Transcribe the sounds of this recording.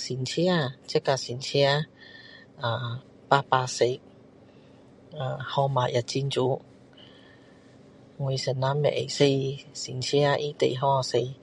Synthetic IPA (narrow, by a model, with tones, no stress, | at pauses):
siː˨˩nt͡sʰi˥aː˧t͡sɛ˥kːaː˧siː˨˩nt͡sʰiː˥aː˧ | aː˧ | paː˦˥t̚paː˧˥t̚se˧j | aː˧˩hɔː˧maː˨˩jɐ˨˩t̚t͡siː˧nt͡suː˨˦ | ŋu˨˩jsɛ˨˩nlaː˨˧˥nmɛ̰˨˩ʔḛ˨˩jse˧jsiː˨˩nt͡sʰiː˥aː˧ʔi˦˥t̪ḛ˨jɦɔ˥a˨˧se˧j